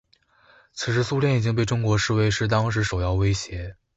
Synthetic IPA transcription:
t͡sʰɹ̩˨˧˩ʂɻ̩˥˧su˥ljɛ˥˩ni˨˩t͡ɕi˥ŋp̬e˥˩ɪʈ͡ʂʊ˥ŋkwɔ˧˥ʂɻ̩˥˧we˥˧ɪʂɻ̩˥˧t̪ɑ˥ŋʂɻ̩˧˥ʂo˨˩ʊjɑ˥˧ʊwe˥ɪɕjɛ˧˥

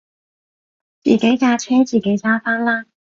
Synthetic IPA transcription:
t͡sḭː˨˩ke˨˥jkaː˧t͡ʃʰɛː˥t͡siː˨˩ke˨˥jt͡saː˥faː˥nlaː˥

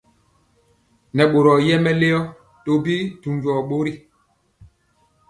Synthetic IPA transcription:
nɛ˨ɓo˨ɾɔ˨jɛ˦mɛ˦le˦ɔ˦ | to˨bi˦tu˨md͡ʒɔ˨ɓo˦ɾi˦˨

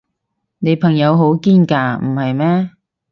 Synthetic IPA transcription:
ne˨˧jpʰɐ˨˩ŋjɐ˨˧wɦo˨˥wkiː˥nkaː˧m̩˨˩hɐ˨jmɛː˥

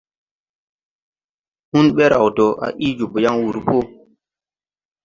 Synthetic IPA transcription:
hu˦nɓe˦ɾa˨wto˨ʔa̰˨ʔi˦d͡ʒu˨bja˦ŋwu˨ɾpo˦

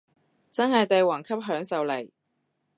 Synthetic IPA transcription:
t͡sɐ˥nhɐ˨jt̪e˨jwɔː˨˩ŋkʰɐ˥p̚ɦœː˨˥ŋsɐ˨wle˨˩j

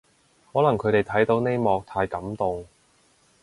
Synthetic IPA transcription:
hɔː˨˥lɐ˨˩ŋkʰɵ˨˧ɥɾe˨jt̪ʰɐ˨˥jt̪o˨˧˥wne˥jmɔː˨˧k̚t̪ʰaː˧jkɐ˨˥mt̪ʊ˨ŋ

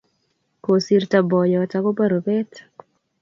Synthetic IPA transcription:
ko˨si˦rta˨bɔ˨jɔ˨ta˦ko˦ba˦ɾo˨bɛ˦t

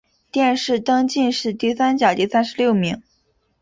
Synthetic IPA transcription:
t̪jɛ˥˧˩nʂɻ̩˥˩t̪ɑ˥ŋt͡ɕi˥˧nʂɻ̩˥˧t̪i˥˩sa˥nt͡ɕjɑ˨˩ʊt̪i˥˧sa˥nʂɻ̩˧ljo˥˩ʊmi˧˥ŋ

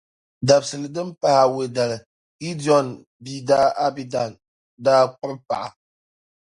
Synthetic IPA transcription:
da˨bsɨ˨lɨ˨dɨ˦mpa˦ha˨we˨da˨lɨ˨ | ɡi˦di˦ɔ˨n | biː˦daː˦ʔa˦bi˦da˨n | daː˦k͡pʊ˦ɾpa̰˨ʔa˨

